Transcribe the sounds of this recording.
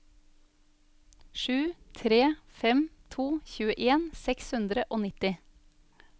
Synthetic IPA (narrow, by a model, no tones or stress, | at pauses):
ʃʉːt̪ʰɾeːfɛmt̪ʰuːçʉːəʔeːnsɛkshʉnd̪ɾəʔoːnɪt̪ɪ